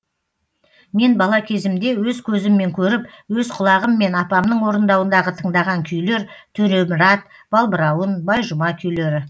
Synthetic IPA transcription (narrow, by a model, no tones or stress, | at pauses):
me̞nbɑlˠɑkʲʰe̞zɪmd̪e̞wɵzkʲʰɵzɪmːe̞ŋkʲʰɵɾɪpwɵzqʰʊlˠɑʁəmːe̞nɑpɑmnəɴwo̞ɾənd̪ɑwənd̪ɑʁət̪ʰəɴd̪ɑʁɑŋkʲʰʏjle̞ɾt̪ʰɵnemɪɾɑt̪̚ | b̥ɑlˠbəɾɑwənbɑjʒʊmɑkʲʰʏjle̞ɾɪ